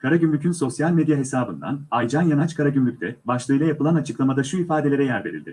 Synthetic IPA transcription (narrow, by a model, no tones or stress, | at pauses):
kʰaɾaɟymlʲycʰynso̞sjalʲmed̪jaɦe̞saːbɯ̰nd̪a̰najd͡ʒanjanat͡ʃkʰaɾaɟymlʲyc̚t̪ʰɛbaʃlˠɯjlˠajapɯlˠanat͡ʃʰɯklˠamad̪aʃuifaːd̪elʲe̞ɾɛjæɾve̞ɾḭlʲd̪ɪ̰